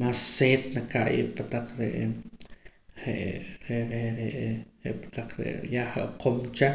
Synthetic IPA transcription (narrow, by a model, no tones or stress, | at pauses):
masːeːt̪nakaʔjḛʔpat̪aq͡χɾḛʔ | ɾeʔɾeɾeɾeʔḛʔpḁt̪aq͡χɾḛʔjahaʔqʰomt͡ʃa